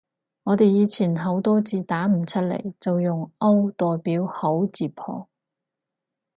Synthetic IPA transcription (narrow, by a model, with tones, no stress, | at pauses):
ŋɔː˨˧t̪e˨jiː˨˧t͡sʰiː˨˩nɦɐ˨˥wt̪ɔː˥t͡siː˨˧t̪aː˨˥m̩˨˩t͡sʰɐ˥t̚lḛ˨˩jt͡sɐ˨wjʊ˨ŋɐ˥wt̪ɔː˨jpiː˨˥who˨˥wt͡siː˨˩pʰɔ̰ː˧